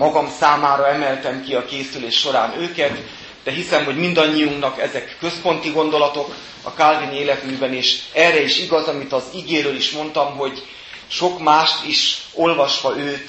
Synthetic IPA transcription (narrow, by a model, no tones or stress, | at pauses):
mɒɡɒmsaːmaːɾɒɛmɛlt̪ɛmkiɒkeːsyleːʃːo̞ɾaːnøːkɛt̪ | d̪̥ɛɦisɛmɦo̞ɟmind̪ɒɲːijuŋknɒkɛzɛkːø̞spo̞nt̪iɡo̞nd̪o̞lɒt̪o̞k | ɒ̰kalvinieːlɛt̪myːbɛneːʃɛrɛiʃiɡɒzɒmit̪ɒziɡeːɾøːliʃmo̞nt̪ɒmɦo̞ɟ | ʃo̞kmaːʃt̪iʃo̞lvɒʃʋɒøːt̪